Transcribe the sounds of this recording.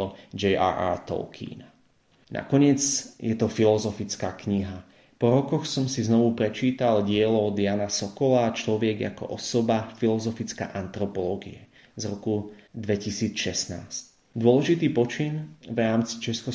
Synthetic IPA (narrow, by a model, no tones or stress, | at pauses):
ɔd͡ʒɛa̰ʔa̰ɾt̪ɔ̰lkʰḭːna | na̰kɔɲɪɛd͡zjɛt̪ɔfilɔzɔfit͡skaːkɲiɦa | pɔɾɔkɔxsɔmsiznɔʋupɾɛt͡ʃiːt̪alɟɪɛlɔd̪ɪjaːnasɔkɔlaːt͡ʃlɔʋjɛɡja̰kɔ̰ʔɔsɔbafilɔzɔfit͡ska̰ːʔant̪ɾɔpɔlɔːɡḭɛ | zɾɔkud̪ʋɛcisiːt͡sʃɛsna̰ːsc | d̪ʊɔlɛʒit̪iːpɔt͡ʃinʋɾaːmt͡si̥t͡ʃɛskɔ